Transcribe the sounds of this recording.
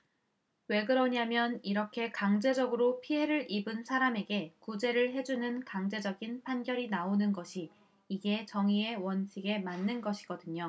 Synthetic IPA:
we̞ɡɯɾʌɲamjʌniɾʌkʰe̞kaŋd͡ʑe̞d͡ʑʌɡɯɾopʰiɦe̞ɾɯɾʔibɯnsʰaɾame̞ɡe̞kud͡ʑe̞ɾɯɭɦe̞d͡ʑunɯnkaŋd͡ʑe̞d͡ʑʌɡinpʰanɡjʌɾinaonɯnɡʌɕʰiː | ɡe̞t͡ɕʌŋie̞wʌnt͡ɕʰiɡe̞manːɯnɡʌɕʰiɡ̥ʌdɯɲo

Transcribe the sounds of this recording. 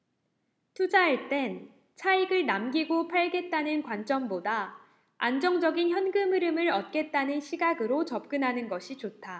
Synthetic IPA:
tʰud͡ʑaeɭt͈e̞n | t͡ɕʰaiɡɯɭnamɡiɡopʰaɭɡe̞t̚t͈anɯnkwant͡ɕ͈ʌmboda | and͡ʑʌŋd͡ʑʌɡinçjʌnɡɯmɯɾɯmɯɾʌt̚k͈e̞t̚t͈anɯnɕʰiɡaɡɯɾot͡ɕʌp̚k͈ɯnɦanɯnɡʌɕʰit͡ɕotʰa

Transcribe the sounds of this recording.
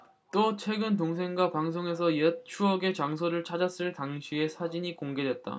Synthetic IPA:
t͈ot͡ɕʰwe̞ɡɯnt̬oŋs̬ʰe̞ŋɡwapaŋsʰoŋe̞s̬ʰʌjet͡ɕʰuʌɡe̞t͡ɕaŋs̬ʰoɾɯɭt͡ɕʰad͡ʑas͈ɯɭtaŋɕʰie̞sʰad͡ʑiɲikoŋɡe̞dwe̞t̚t͈a̰

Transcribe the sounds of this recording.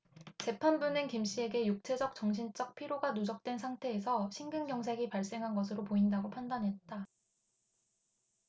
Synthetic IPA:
t͡ɕe̞pʰanbunɯnkimɕ͈ie̞ɡe̞juk̚t͡ɕʰe̞d͡ʑʌk̚t͡ɕʌŋɕʰint͡ɕ͈ʌk̚pʰiɾjoɡanud͡ʑʌk̚t͈we̞nsʰaŋtʰe̞ːsʰʌɕʰiŋɡɯnɡjʌŋsʰeɡipaɭs͈e̞ŋɦanɡʌs̬ʰɯɾopoindaɡopʰandanɦe̞t̚t͈a

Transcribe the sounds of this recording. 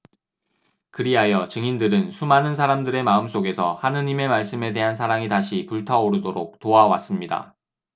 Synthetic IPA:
kɯɾiɦajʌt͡ɕɯŋindɯɾɯnsʰumanɯnsʰaɾamdɯɾe̞maɯms͈oɡe̞sʰʌhanɯɲime̞maɭs͈ɯme̞de̞ɦansʰaɾaŋitaɕʰipuɭtʰaoɾɯdoɾok̚toawa̰s͈ɯmɲida̰

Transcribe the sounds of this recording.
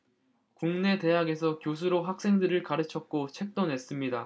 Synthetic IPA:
kuŋne̞te̞ɦaɡe̞s̬ʰʌkjos̬ʰuɾoɦak̚s͈e̞ŋdɯɾɯɭkaɾɯt͡ɕʰʌk̚k͈ot͡ɕʰe̞k̚t͈onɦe̞s͈ɯmɲida

